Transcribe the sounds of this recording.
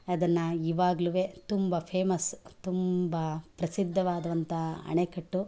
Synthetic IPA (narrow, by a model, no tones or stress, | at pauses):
ɐd̪ɐnːɐiʋaːɡluʋeːt̪umbɐpʰeːmɐst̪umbɐpɾɐsid̪ʱːɐʋaːd̪ɐʋɐnt̪ɐɐ̰ɳekɐʈːu